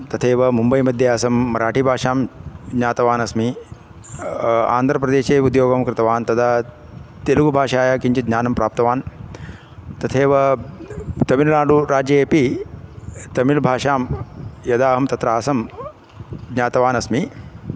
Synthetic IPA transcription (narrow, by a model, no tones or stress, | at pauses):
t̪ɐt̪ʰeːʋɐmumbɐjmɐd̪ʱjɐaːsɐmːɐɾaːʈibʱaːʂaːmdɲaːt̪ɐʋaːnɐsmi | a̰ːnd̪ʱɾɐpɾɐd̪eːʃeːud̪joːɡɐmkɾɪt̪ɐʋaːnt̪ɐt̪ʰaː | t̪eluɡubʱaːʂaːjakiɲt͡ʃɐd̪ɲaːnɐmpɾaːp̚t̪ɐʋaːn | t̪ɐt̪ʰeːʋɐ | t̪ɐmilnaːɖuɾaːd͡ʒɐeːpi | t̪ɐmilbʱaːʂaːmjɐd̪aːɦɐmt̪ɐt̪ɾɐaːsɐm | ɡɲaːt̪ɐʋaːnɐsmi